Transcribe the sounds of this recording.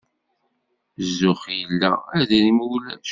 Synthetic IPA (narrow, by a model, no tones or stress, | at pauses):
zːʊχjəlːæ̰æðæɾimuwlæʃ